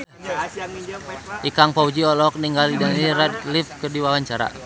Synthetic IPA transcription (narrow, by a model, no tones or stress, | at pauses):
ʔikaŋpaud͡ʒiɔlɔk̚niŋɡalidanirɛt̪lifkərdiwawaɲt͡ʃaɾa̰